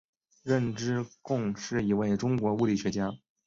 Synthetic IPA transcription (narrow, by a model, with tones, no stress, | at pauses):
ɻə˥˩nʈ͡ʂɻ̩˥kʊ˥˧ŋʂɻ̩˥˩i˧˥we˥˩ɪʈ͡ʂʊ˥ŋkwɔ˧˥u˥˧li˨˩ɕɥɛ˧˥t͡ɕja˥